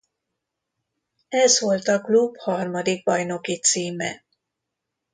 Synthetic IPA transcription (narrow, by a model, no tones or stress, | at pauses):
ɛzʋo̞lt̪ɒklubhɒrmɒd̪ik̚bɒjno̞kit̪siːmɛ̰